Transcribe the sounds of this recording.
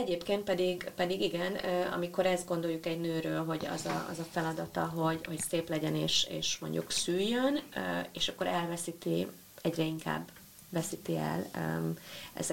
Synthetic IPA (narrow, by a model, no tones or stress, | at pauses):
ɛɟeːpkeːnt̪̚pɛd̪iɡpɛd̪iɡiɡɛnøːɒ̰miko̞ɾɛzd̪̚ɡo̞nd̪o̞ljukɛɟnøːɾøːlɦo̞ɟɒ̰zɒɒ̰zɒfɛlɒd̪ɒt̪ɒɦo̞ɟho̞cseːplɛɟɛneːʃḛːʃmo̞̰ɲɟṵksyːjːønøeːʃɒkːo̞ɾɛlvɛsit̪i | ɛɟrɛiŋka̰ːbː | vɛsit̪iɛ̰løɛ̰z